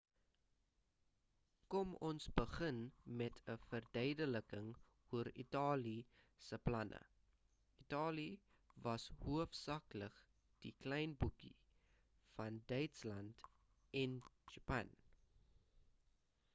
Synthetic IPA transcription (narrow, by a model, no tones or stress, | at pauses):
kɔmɔnsbəχənmɛtʰəfərdœɥdələkəŋ | uəɾḭtɑːli | səplɐnʔə̰ | itɑːli | vɐshuəfsɑːklək | d̥iklɛjnbukḭ | fɐndœɥtslɐnt | ɛnd͡ʒɑpɐ̰n